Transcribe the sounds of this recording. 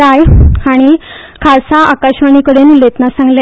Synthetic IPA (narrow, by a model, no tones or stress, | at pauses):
ajaɽ̃i | kʰasaʔakaɕʋaɳ̃ikəɽenulet̪nasãŋɡle